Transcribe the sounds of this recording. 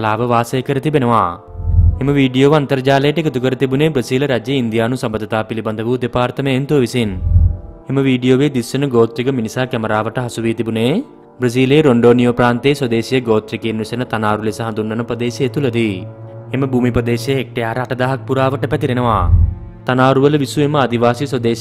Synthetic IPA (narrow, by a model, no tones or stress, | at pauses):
ɐlaːʋɐʋaːseːkɐɾɐt̪ibenɐʋaː | emɐʋiːɖijoːʋɐnt̪ɐɾɐd͡ʒaːleːʈekɐt̪ukɐɾɐt̪ibuneːbɾɐsiːlɐɾaːd͡ʒjɐind̪ijaːnusɐmbɐd̪ːɐt̪aːpilibɐnd̪ɐʋud̪epaːɾt̪ɐmeːnt̪oːʋisin | emɐʋiːɖijoːʋeːd̪isɐnɐɡoːt̪ɾiɡɐminisaːkɐmɐɾaːʋɐʈɐɦɐsuʋiːt̪ibuneː | bɾɐs̬iːleːɾoɳɖoːnijoːpɾaːnt̪eːswɐd̪eːsijɐɡoːt̪ɾikeːnːusɐnɐt̪ɐnaːɾulesɐɦɐnd̪unːɐnɐpɾɐd̪eːʃiet̪ulɐd̪i | emɐbʱuːmipɾɐd̪eːʃɐek̚ʈejaːɾɐɐːʈɐd̪aːɦɐk̚puɾaːʋɐʈɐpɐt̪iɾinɐʋaː | t̪ɐnaːɾuʋɐlɐʋisuemɐɐd̪iʋaːsiswɐd̪eː